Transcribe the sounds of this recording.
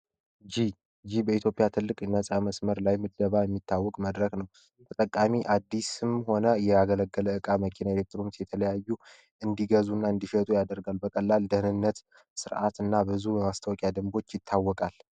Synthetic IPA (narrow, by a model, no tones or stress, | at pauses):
d͡ʒi | d͡ʒibəit̪ʰjo̞pʼijat̪ʰɨlːɨkʼnːəsʼaməsməɾlajmɨd̪d̪əβajɛmːit̪ʰːawːɔkʼməd̪ɾəknəw | t̪ʰət̪ʼəkʼːamiʔad̪ːisɨmho̞nəjɛaɡələɡːələɨkʼaməkʰinaelek̚t̪ɾomsjɛt̪ʰələjajːu | ʔɨnd̪iɡəzunːaɨnd̪iʃət̪ʼujad̪əɾɡalbəkʼəlːald̪əhnɨnːət̪ | sɨɾʔa̰t̪ɨnːabɨzujɛmast̪ʰəwɔkʼjad̪ɨmbo̞t͡ʃːjɪt̪ʰːawːɔkʼal